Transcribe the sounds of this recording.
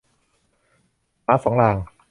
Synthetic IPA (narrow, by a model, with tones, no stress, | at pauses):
maː˦˥sɔː˨˩˦ŋlaː˧ŋ